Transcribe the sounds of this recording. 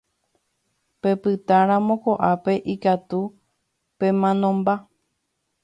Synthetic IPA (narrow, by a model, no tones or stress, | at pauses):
pe̞pɨt̪ãɾãmõ̞ko̞ʔape̞ʔikat̪u | pẽ̞mãnõ̞mba